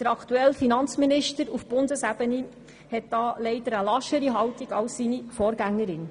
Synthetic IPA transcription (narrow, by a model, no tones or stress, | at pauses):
d̥əɾɑkʰt̪uɛlfinɑnt͡sminɪʃtəɾufb̥ʊndəsæb̥əni | hɛt̚d̥ɑːlɛɪdəɾəlɑʃəɾiɦɑwtiɡɑwssinifɔːɾɡæŋːəɾɪn